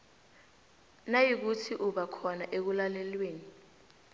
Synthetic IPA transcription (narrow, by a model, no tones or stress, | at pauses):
najik̬utʰiʔuɓakʰɔnaʔek̬ulalɛlweːni